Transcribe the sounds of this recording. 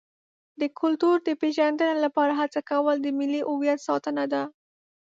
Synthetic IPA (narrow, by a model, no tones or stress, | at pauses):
d̪əkʊlt̪uɾd̪əpeʒand̪ənalapɑɾaɦat͡sakawəld̪əmɪliʔʊwjat̪sɑt̪ənad̪a